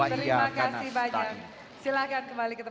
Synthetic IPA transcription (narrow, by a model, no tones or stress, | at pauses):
at̪əɾimakasihbaɲak̚ | silahkankəmbalikət̪ə